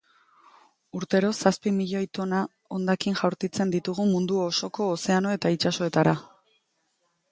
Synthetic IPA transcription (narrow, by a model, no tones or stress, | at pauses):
uɾt̪e̞ɾo̞saspimiʎo̞jt̪o̞na | o̞nd̪akiŋʝawɾk̪it͡se̞nd̪it̪uɣumund̪uoso̞ko̞ːse̞ano̞e̞t̪ait͡ʃaso̞e̞t̪aɾa